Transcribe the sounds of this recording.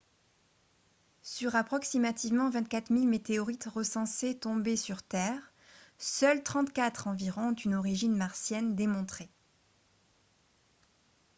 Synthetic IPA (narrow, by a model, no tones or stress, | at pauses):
syʁapχɔksimat̪ivmɑ̃vɛ̃t̪̚kat̪χmilmet̪eɔʁit̪ʁəsɑ̃set̪ɔ̃besyʁt̪ɛːʁ | sœlt̪χɑ̃t̪kat̪χɑ̃viʁɔ̃ɔ̃t̪ynɔʁiʒinmaʁsjɛnd̪emɔ̃t̪χe